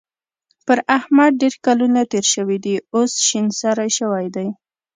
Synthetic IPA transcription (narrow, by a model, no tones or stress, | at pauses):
pəɾahmad̪̚ɖeɾkalunat̪eɾʃəwid̪iosʃinsaɾajʃəwajd̪aj